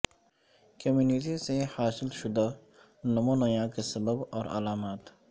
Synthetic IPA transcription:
kʰɐmjunit̪isehaːsɪlʃʊd̪a | nɐmoːnɐjãːkisɐbəbɔ̰ːɾɐ̰laːmat̪

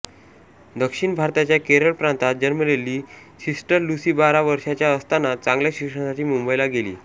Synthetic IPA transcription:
d̪əkʂiɳbʱaɾt̪at͡ɕjakeɾəɭpɾãnt̪at̪̚d͡ʑənməlelːiː | sisʈəɾlusiːbaɾaʋəɾʂat͡ɕjaəst̪anat͡sãŋɡljaɕikʂəɳasaʈiːmumbəjlaɡelḭː

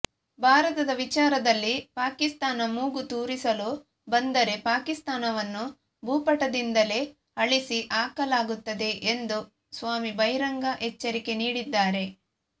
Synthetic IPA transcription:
bʱaːɾɐt̪ɐd̪ɐʋit͡ʃaːɾɐd̪ɐlːipaːkist̪aːnɐmuːɡut̪uːɾisɐlu | bɐnd̪ɐɾe̞paːkist̪aːnɐʋɐnːu | bʱuːpɐʈɐd̪ind̪ɐle̞ | ɐɭisiʔaːkɐlaːɡut̪ːɐd̪e̞ʔend̪u | sʋaːmibɐjɾɐŋɡɐʔet͡ʃːɐɾike̞niːɽid̪ːaːɾe̞

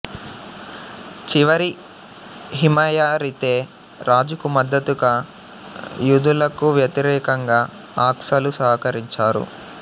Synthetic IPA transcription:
t͡ʃiʋɐɾi | ɦimɐjaːɾit̪eː | ɾaːd͡ʒukumɐd̪ːɐt̪uɡaː | jud̪ulɐkuʋjɐt̪iɾɛːkɐŋɡaː | aːkʂɐlusaːkɐɾiɲt͡ʃaːɾṵ

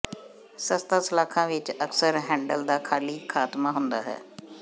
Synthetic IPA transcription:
səst̪aːsɪlaːkʰãːʋɪt͡ʃəksəɾɦɛ̃ːɳɖəld̪aːkʰaːliːkʰaːt̪maːɦʊnd̪a̰ːɦɛ̰ː

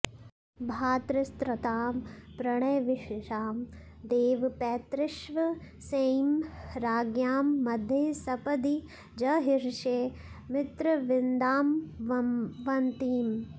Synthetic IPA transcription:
bʱaːt̪ɾɪst̪ɾɐt̪aːmpɾɐɳ̃ɐjʋɪʃeʃaːm | d̪eːʋpɛːt̪ɾɪʃʋɐ | seːmɾaːɡjaːmːɐd̪ʱjesɐpɐd̪i | d͡ʒɐɦiɾʃeː | mɪt̪ɾɐʋɪnd̪aːm | ʋɐnt̪iːm

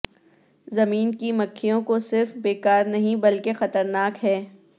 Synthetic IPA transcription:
zɐmiːnkimɐkʰːijõkosɪɾfbeːkaːɾnɐɦĩbɐlkexɐt̪əɾnaːkɦɛː

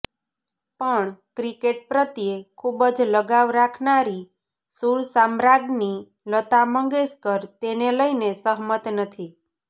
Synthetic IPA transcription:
pəɳkɾikeʈ̚pɾət̪jekʰubəd͡ʒləɡaʋɾakʰnaɾi | suɾsamɾaɡni | lət̪aməŋɡeskəɾt̪eneləinesəɦmət̪nət̪ʰi

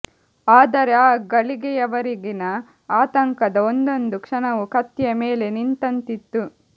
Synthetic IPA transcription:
aːd̪ɐɾeaːɡɐɭiɡɛjɐʋɐɾiɡinɐ | aːt̪ɐŋkɐd̪ɐond̪o̞nd̪ukʂɐnɐʋukɐt̪jɐmeːlenint̪ɐnt̪it̪ːu

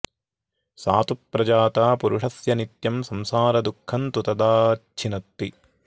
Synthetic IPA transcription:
saːt̪upːɾɐd͡ʒaːt̪aːpuɾuʂɐsjɐnit̪jɐmsɐmsaːɾɐd̪ukʰːɐnt̪ut̪ɐd̪aːt͡ʃʰinɐt̪ːi

